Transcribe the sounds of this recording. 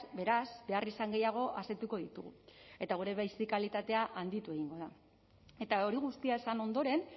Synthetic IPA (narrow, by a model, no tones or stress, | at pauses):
be̞ɾazbe̞arisaŋɡe̞jaɣ̞o̞ʔaset̪uko̞ð̞it̪uɣṵe̞t̪aɣ̞uɾe̞βajsikalit̪at̪e̞aʔand̪it̪ue̞ɣ̞iŋɡo̞ð̞a | e̞t̪ao̞ɾiɣ̞ust̪iae̞sano̞nd̪o̞ɾe̞n